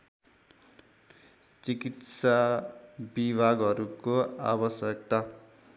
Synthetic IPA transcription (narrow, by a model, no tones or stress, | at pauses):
t͡sikit̪sa | bibʱaɡʌɾukoa̰bʌsjʌk̚t̪a